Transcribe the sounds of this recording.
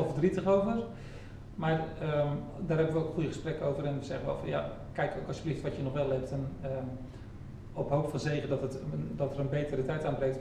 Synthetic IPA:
lˠfərdritəχowvər | marədaːrɦɛbənʋəokχujəxəsprɛkəowvərɛnʋəzɛχənʋɛ̰lˠfɑ̰nja̰ | kɛjkowkɔsjəbliftʋɔtjənɔχʋɛlˠɛp̚tənə | ɔpɦoːpfɔnzeːɣədɔtətdɔtərənbeːtərətɛjtaːnbrɛŋkt

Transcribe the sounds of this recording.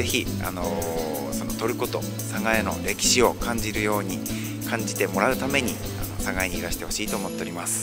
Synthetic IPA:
e̞çia̰no | so̞no̞t̪o̞ɾɯ̟ko̞t̪o̞̰ | saɡaeno̞ɾe̞kʲi̥ɕio̞kãɲ̟d͡ʑiɾɯ̟jo̞ːɲ̟i | kʰãɲ̟d͡ʑit̪e̞mo̞ɾaɯ̟t̪ame̞ɲ̟i | a̰no̞̰saɡaeɲ̟iːɾaɕi̥t̪e̞ho̞ɕiːt̪oːmo̞t̪ːe̞o̞ɾʲimasɨ̥

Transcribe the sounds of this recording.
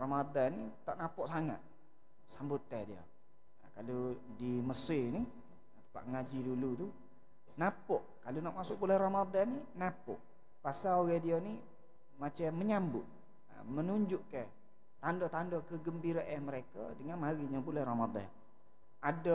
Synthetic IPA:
rɔmad̪anːit̪aʔnapɔʔsaŋa̰t̪̚ | sambut̪ədiə̰ | kalo | diməsɪni | t̪ə̥pa̰ʔŋad͡ʒidulut̪u | napɔʔkalunaʔmasʊʔ̚bulɛhramad̪anːinapɔ̰ʔ | pasaoɣɛdiani | mat͡ʃamːəɲambʊ̰ʔ | mənuɲd͡ʒʊʔkɛ | t̪andɔt̪andɔkəɡəmbiɾaʔaməɾeka̰dəŋanmaɾiɲabulɛhrɔmad̪a̰n | adɔ

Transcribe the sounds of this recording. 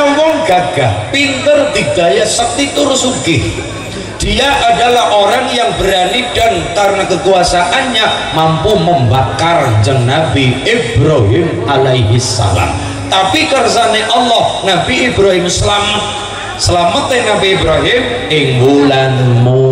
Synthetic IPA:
awɔŋɡ̥aɡ̥ahpint̪ərd̪̥i̤ɡ̥a̤jasək̚t̪it̪ʊrsuɡɪh | d̥iaʔadalahʔoɾaŋjaŋb̥əɾaniɖ̥ankarnakəkuasaʔanɲamampuməmbakard͡ʒəŋnabiibɾaɦɪmʔalajɦɪsːa̰la̰m | t̪apikərsaneʔɔlːɔhnabiibɾaɦɪmslamət̪̚ | səlamət̪enabiibɾaɦɪm | ɪŋulanmu

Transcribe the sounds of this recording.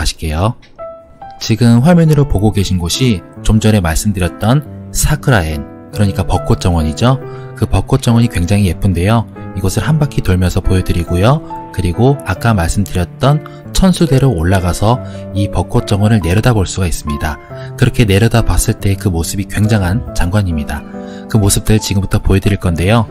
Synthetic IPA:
aɕʰi̥k͈ejo | t͡ɕiɡɯmɸwamjʌnɯɾopoɡoɡe̞ɕʰinɡoɕʰit͡ɕomd͡ʑʌɾe̞maɭs͈ɯmdɯɾjʌt̚t͈ʌnsʰakʰɯɾaen | kɯɾʌɲik͈apʌk͈ot͡ɕ͈ʌŋwʌɲid͡ʑokɯpʌk͈ot͡ɕ͈ʌŋwʌɲikwe̞ŋd͡ʑaŋɦije̞p͈ɯnde̞joiɡʌsʰɯɭhanbakʰitoɭmjʌnsʰʌpojʌdɯɾiɡojokɯɾiɡoak͈amaɭs͈ɯmdɯɾjʌt̚t͈ʌn | t͡ɕʰʌnsʰude̞ɾoːɭːaɡasʰʌipʌk͈ot͡ɕ͈ʌŋwʌnɯɭne̞ɾʌdaboɭs͈uɡais͈ɯmɲida | kɯɾʌkʰe̞ne̞ɾʌdabwas͈ɯɭt͈e̞kɯmosʰɯbikwe̞ŋd͡ʑaŋɦant͡ɕaŋɡwaɲimɲida | kɯmosʰɯp̚t͈ɯɭt͡ɕiɡɯmbutʰʌpojedɯɾiɭk͈ʌnde̞jo

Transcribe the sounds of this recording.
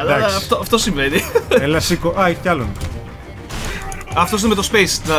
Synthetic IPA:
ɐksɐt̪oɐft̪osĩɱvenielɐsikoʔɐcɐlonɐ | ɐft̪os̬nemet̪ospejsnɐ

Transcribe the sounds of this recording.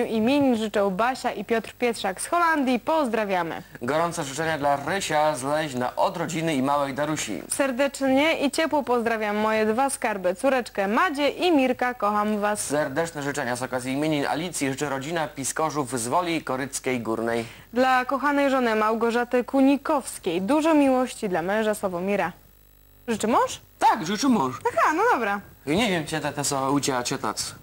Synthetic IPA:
uʔimʲjeɲiʐɘt͡ʂɔwbaɕaʔipʲjɔt̪rpʲjɛt̪ʂaksxɔland̪ʲjipɔzd̪ɾavʲjamɘ̰ɡɔɾɔnt̪sɛʐɘt͡ʂɛɲad̪laɾɘɕazlɛʑna̰ʔɔd̪ɾɔd͡ʑinɘimawɛjd̪aɾuɕḭsɛɾd̪ɛt͡ʂɲɛʔit͡ɕɛpwɔpɔzd̪ɾavʲamːɔjɛd̪vaskaɾbɘt̪suɾɛt͡ʂkɛmad͡ʑɛʔimʲiɾkakɔxamvassɛɾd̪ɛt͡ʂnɛʐɘt͡ʂɛɲazɔkazʲjiːmʲeɲina̰lʲit̪sʲjiʐɘt͡ʂɘɾɔd͡ʑinapʲiskɔʐuvzvɔlʲikɔɾɘt̪skʲejɡuɾnɛj | d̪lakɔxanɛjʐɔnɘmawɡɔʐat̪ɘkuɲikɔfskʲejd̪uʐɔmʲiwɔɕt͡ɕid̪lamɛ̃w̃ʐasɔvɔmʲiɾa | ʐɘt͡ʂɘmɔʂt̪akʐɨt͡ʂɘmɔʂaxanɔd̪ɔbɾaɲɛvʲjɛmt͡ɕɛt̪ɛt̪ɛsɔut͡ɕɛat͡ɕɛt̪a̰t̪s

